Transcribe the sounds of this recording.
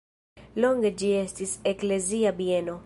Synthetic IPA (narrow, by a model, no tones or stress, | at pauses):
loŋɡed͡ʒiestisekleziabjeno